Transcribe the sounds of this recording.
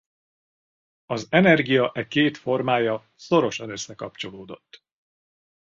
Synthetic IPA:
ɒzɛnɛrɡijɒʔɛkeːt̪fo̞rmaːjɒ | so̞ɾo̞ʃɒnø̞sːɛkɒ̰pt͡ʃo̞loːd̪o̞̰t̪ː

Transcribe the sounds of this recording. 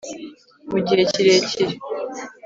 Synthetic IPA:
muɟiɾeciɾeciɾe

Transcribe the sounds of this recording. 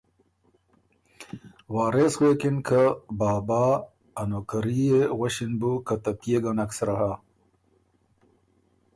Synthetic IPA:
waːɾeswekinkʰəbaːbaː | nokɐɾieɣɐɕinbukat̪ɐpjeɡanaksɾaɦa

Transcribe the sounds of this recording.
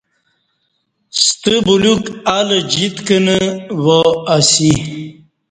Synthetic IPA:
st̪əbulukaləd͡ʑit̪kənəwoasi

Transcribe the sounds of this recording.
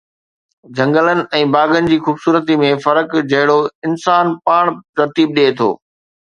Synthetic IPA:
d͡ʑʱɐ̃ŋɡələnɪ̆ʔɛ̃ːbaːɡənɪ̆d͡ʑiːxuːbsuːɾət̪imẽfɐɾəkd͡ʑɐɦɪɽoɪnsaːnpaːɽ̃t̪ɐɾt̪iːb̚ɗet̪ʰo̰ː

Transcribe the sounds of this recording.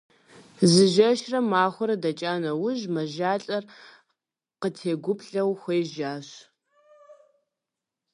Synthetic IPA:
zɨʒɐʃrɐmaːxʷʊɾɐdɐt͡ʃʼaːnɐwʊʒmɐʒaːɬʼɐr | qətʰeːɡʷʊpʰɬɐwxʷeːʒaːɕ

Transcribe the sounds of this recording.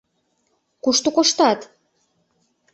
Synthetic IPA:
kuʃt̪ukoʃt̪ɑt̪

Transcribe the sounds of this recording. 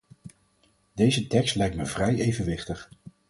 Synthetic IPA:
dejzətɛkstlɛjktməv̥rɛjejvənʋɪχtəχ

